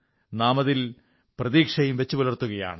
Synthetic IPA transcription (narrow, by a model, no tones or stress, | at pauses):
naːmɐðil | prɐðiːkʂɐjumʋet͡ɕːɨpɐlɐrt̪ːuɣɐja̰ːɳɨ